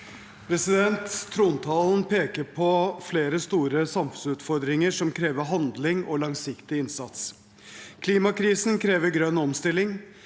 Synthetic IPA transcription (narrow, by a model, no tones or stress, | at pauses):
pʰɾɛsɪd̪ɛnt̪ʰːɾuːnt̪ʰɑːln̩pʰeːkəɾpʰɔfleːɾəst̪uːɾəsɑmfʉn̩sʉːt̪fɔɾd̪ɾɪŋəʂɔmkʰɾeːʋəɦɑnd̪lɪŋɔlɑŋsɪkt̪ɪɪnsɑt̪s | kʰliːmɑkʰɾiːsn̩kʰɾeːʋəɾɡɾœnːɔmst̪ɪlːɪŋ